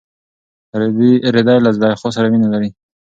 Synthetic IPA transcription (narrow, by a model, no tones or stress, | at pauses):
ɾɪd̪ɑjlazlɑjxos̬aɾaminalaɾi